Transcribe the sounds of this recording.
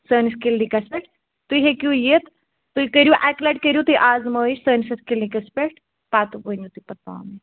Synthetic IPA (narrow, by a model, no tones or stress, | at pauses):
səːniskilnikɐspeʈ | t̪ujɦekʲujet̪ː | ujkəɾʲjuʔɛklɐɖ̚kəɾʲjut̪ujʔaːzməːiʃʲsəːnisɐskilnikɐspeʈ | paːt̪ubənjut̪upɐt̪̚ːa̰ːmi